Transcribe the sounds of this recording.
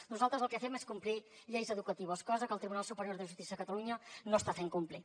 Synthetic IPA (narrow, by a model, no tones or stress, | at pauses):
nuzalˠt̪ɾəzəlˠkəθɛmeskumpliʎejzəðukət̪iβəskɔzəkəlˠt̪ɾiβunalˠsupəɾjoɾðəʒust̪isiəðəkət̪əluɲənost̪afeŋkumpli